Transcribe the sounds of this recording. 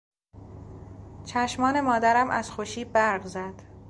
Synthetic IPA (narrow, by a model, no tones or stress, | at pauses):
t͡ʃʰæʃmɒːne̞mɒːd̪æɾæmʔæ̰z̥xoʃiːbæɾɢzæd̪̥